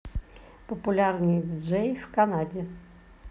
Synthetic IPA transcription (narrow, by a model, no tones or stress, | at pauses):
pəpʊlʲarnɨjd̪ʲʐɛjfkɐnadʲɪ